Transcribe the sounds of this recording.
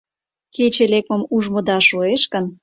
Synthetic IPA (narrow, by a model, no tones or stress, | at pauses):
ket͡ɕelek̚mə̆muʒmod̪ɑʃoeʃkə̆n